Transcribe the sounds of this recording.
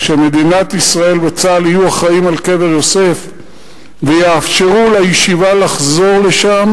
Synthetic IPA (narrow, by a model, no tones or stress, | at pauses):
ʃeme̞d̪inat̪isʁae̞lbet͡salijuaχaimalke̞ve̞ʁjo̞se̞f | vejeafʃe̞ʁulajeʃivalaχzo̞ʁle̞ʃam